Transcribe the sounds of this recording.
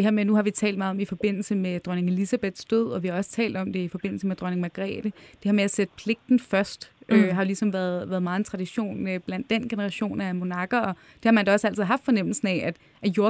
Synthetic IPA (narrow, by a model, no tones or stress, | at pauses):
d̥eheɐ̰menuhɑ̈ʋit͡sʰɛ̰ːld̥mɑ̈ːð̩ˠɒ̽mifɒ̽b̥e̝n̰l̩səmed̥ʁɶne̝ŋe̝lisæb̥eð̥ˠsd̥øð̞̰ˠɒ̽ʋihɑ̈ɒ̽sə̥t͡sʰɛ̰ːld̥ɒ̽md̥e̝ifɒ̽b̥e̝n̰l̩səmed̥ʁɶne̝ŋmæɡ̥ʁɛ̰ːd̥əd̥e̝heɐmeæsed̥əpʰle̝ɡ̥̚d̥n̩fɶɐsd̥ʔøɦɑ̈lisɒ̽mʋæɐðˠʋæːɐðˠmɑ̈ːð̩ˠent͡sʰʁɑ̈d̥iɕo̝̰ːnøb̥læn̰d̥ːen̰ɡ̥e̝nəʁɑ̈ɕo̝̰ːnæmo̝nɑ̈ɡ̥ɐɒ̽ | d̥e̝hɑ̈mænd̥æɒ̽sæl̰t͡sʰiðˠɦɑ̈fd̥fɒ̽nem̰l̩sn̩æʔæd̥ | ʔæjo̝ɐ